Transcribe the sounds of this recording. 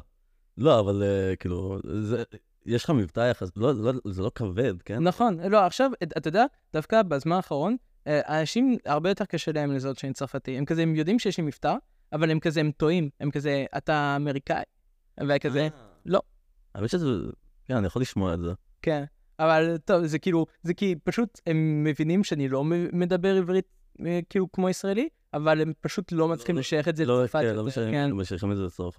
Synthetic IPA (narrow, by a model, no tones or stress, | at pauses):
lo̞avalekilṵze | jɛʃlχamivt̪ajaχaslolzelokavedkennaχo̞nlo̞aχʃavat̪ajod̪ea | d̥afkabezmanaːχaʁo̞n | eʔanaʃimaʁbejotkaʃelaemlezotʃeemt͡saʁfatiemkazeemjo̞dimʃejeʃlimiftaʁ | avale̞mkazeemto̞imemkazeʔa̰taːme̞ʁika̰i | veakazelo̞̰ | anmiʃezḛ | kenanijaχoliʃmoaelze | ken | avalto̞vzekiːluzekipaʃute̞mːevinimʃeanilo̞mme̞dabe̞ʁivʁit | kiːlukmo̞isʁaeli | avalempaʃutlo̞matt͡sli̥χimleʃajeχetzeloafaloʃkenmeʃaiχimetzebasof